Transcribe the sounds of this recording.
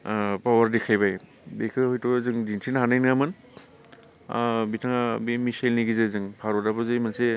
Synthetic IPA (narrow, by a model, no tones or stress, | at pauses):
pawaɾdekʰajbaj | bekʰɯhɔjtɔɡzɯŋdintʰinɦanajnŋamɯn | a̰bitʰaŋabimisajlniɡizɯzɯŋpʰaɾɔdabɯzɯjmanse